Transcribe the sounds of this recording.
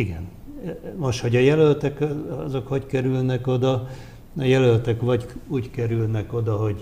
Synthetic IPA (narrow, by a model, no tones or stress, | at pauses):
iɡɛn | moʃt̪ho̞ɟɒjɛlølt̪ɛkɒ̰zo̞khoɟkɛɾylnɛko̞d̪ɒ | ɒjɛlølt̪ɛkʋɒɟuːɟkɛɾylnɛko̞d̪ɒɦo̞ɟ